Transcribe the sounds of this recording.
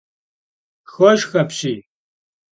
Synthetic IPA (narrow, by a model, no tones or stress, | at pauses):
xɔʃxɐpʰɕiː